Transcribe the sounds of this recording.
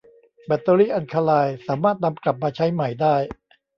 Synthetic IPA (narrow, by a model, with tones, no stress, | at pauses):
bɛ˨˧˩t̪ːoː˧liː˥˩ʔa˧nkʰaː˧laː˧jsaː˩˦maː˥˩t̪̚na˧mkla˨˩p̚maː˧t͡ɕʰa˦˥jma˨˩jdaː˥˩j